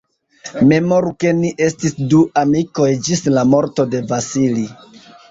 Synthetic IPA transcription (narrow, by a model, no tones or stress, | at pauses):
me̞mo̞ɾuke̞niʔe̞stisduamiko̞jd͡ʒislamo̞ɾto̞de̞vasili